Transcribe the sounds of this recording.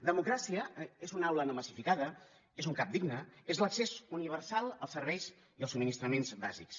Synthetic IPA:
d̪əmukɾasiəezunawlənəməsifikaðə | ezuŋkap̚d̪iɡnəezləksezuniβ̞ərsalˠəlˠsərβɛjz | iəlˠsuminist̪ɾəmenzba̰ziks

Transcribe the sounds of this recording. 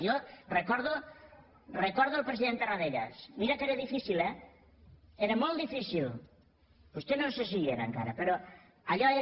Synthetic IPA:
ʎorekɔɾðo | rekɔɾðoalˠpɾesiðent̪eraðeɾa̰smiɾakeɾaðifisilɛ | eɾamolˠt̪d̪ifisil | ust̪enõnses̬ieɾa̰ŋka̰ɾapeɾo | aʎɔe

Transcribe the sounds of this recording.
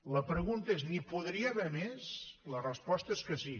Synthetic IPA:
ləpɾəɣunt̪əeznipuðɾiəβɛmeslərəspɔst̪əeskəsi

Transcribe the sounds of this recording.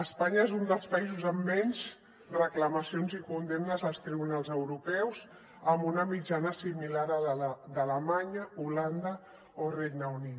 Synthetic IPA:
əspaɲaezund̪əlˠspəizuzəmːɛɲz | rəkləməsionzikund̪emnəzəlˠst̪ɾiβunalˠzəwɾupɛwz | əmbunəmid͡ʒanəsimilaɾəd̪aləmaɲəuland̪ə | orejɡnəuni

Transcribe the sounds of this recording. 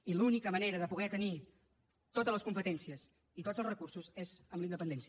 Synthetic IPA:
ilunikəməneɾəðəpuɣɛt̪əni | t̪ot̪əzləskumpət̪ɛnsiəs | it̪od͡zəlˠrəkursuzezəmlind̪əpənd̪ɛnsi

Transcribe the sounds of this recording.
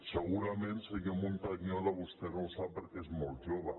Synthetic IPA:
səɣuɾamẽnsekamunt̪aɣɲoðaβust̪enõwsapeɾkezmolˠt̪ʒoβa

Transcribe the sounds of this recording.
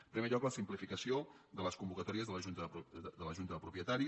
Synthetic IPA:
pɾɛmeʎɔkləsimplifikəsiod̪ələskumbukət̪ɔɾiəzðələʒunt̪əd̪ələʒunt̪əðəpɾupiət̪aɾi

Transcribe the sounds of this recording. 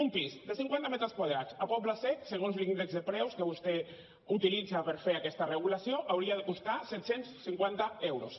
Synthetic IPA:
umpizd̪əsiŋkwant̪amɛt̪ɾəskwað̞ɾat͡sapɔpləsɛk̪seɣ̞onzlind̪ekzðepɾɛwskəβust̪e | ut̪ilid͡zapəɾfeɾakɛst̪areɣ̞ulasjoʔawɾiaðekust̪asɛt̪sensːiŋkwant̪aɛwɾus

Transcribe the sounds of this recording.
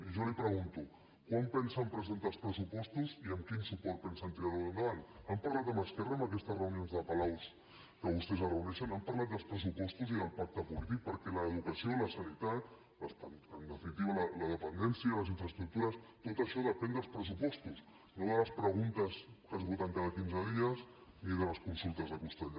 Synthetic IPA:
ʒɔlipɾəɣunt̪u | kwampɛnsəmpɾəzent̪əlˠspɾəs̬upɔst̪uziəmkinsupɔɾt̪̚pɛnsant̪ɾiɾaðuənd̪əβanəmpaɾlat̪əməskɛrəmbəkɛst̪əzrəunionzðəpɐlaws | kəβust̪ɛzərəunɛʃənəmpaɾlat̪̚d̪əlˠspɾəs̬upɔst̪uziðəlˠpak̚t̪əpulit̪ik̚pəɾkɛləːðukəsioləsanit̪at̪ | əsanənd̪əfinit̪iβələləðəpənd̪ɛnsiələziɱfɾəst̪ɾuk̚t̪uɾəst̪ot̪əʃɔðəpɛnd̪əlˠspɾəs̬upɔst̪us | noðələspɾəɣunt̪əskəzβut̪aŋkaðəkinzəðiəsiðələskunsulˠt̪əzðəkust̪aʎ

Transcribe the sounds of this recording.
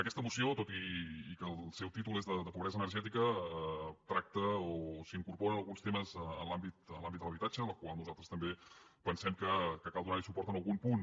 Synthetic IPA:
əkɛst̪əmusiot̪ot̪iːkəlˠsɛwt̪it̪ulˠezðəd̪əpuβɾɛzənərʒɛt̪ikə | t̪ɾak̚t̪əosiŋkuɾpoɾəːlˠɣunst̪eməzənlambit̪ənlambit̪d̪əlˠəβit̪ad͡ʒələkwalˠnuzalˠt̪ɾəst̪əmbepənsɛmkəkəkalˠd̪unaɾisupɔɾt̪ənəlˠɣumpun

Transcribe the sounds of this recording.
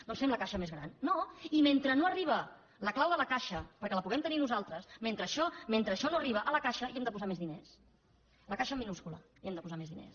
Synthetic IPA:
d̪ɔnsfɛmləkaʃəmezɣɾa̰nːoiment̪ɾənoəriβ̞ə | ləklawðələkaʃəpəɾkɛləpuɣɛmt̪əninuzalˠt̪ɾəsment̪ɾəːʃɔment̪ɾəːʃɔnoɐriβ̞əʔələkaʃəiɛmd̪əpuzamezðines | ləkaʃəmːinuskulə̰ | iɛmd̪əpuzamezðinḛs

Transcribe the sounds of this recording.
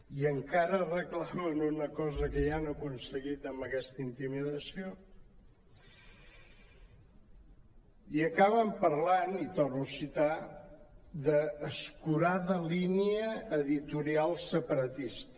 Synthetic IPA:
iəŋkaɾərəklamənunəkɔzəkəjanəkunsəɣit̪əmbəkɛst̪əint̪imiðəsio | iəkaβəmpəɾlanit̪ɔrnusit̪a | d̪əːskuɾaðəliniəːðit̪uɾialˠsəpəɾət̪ist̪ə

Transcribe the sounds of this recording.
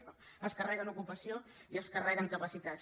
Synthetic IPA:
o | əskərɛɣənukupəsioiəskərɛɣəŋkəpəsit̪a

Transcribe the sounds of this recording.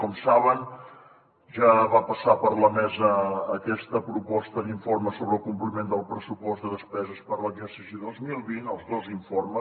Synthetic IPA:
kɔmsaβən | ʒaβapəsapəɾləmɛzəːkɛst̪əpɾupɔst̪əd̪iɱforməsoβɾəlˠkumplimend̪əlˠpɾəsupɔzd̪əðəspɛzəspəɾləzərsisiðozmilˠβinəlˠzðoziɱformə

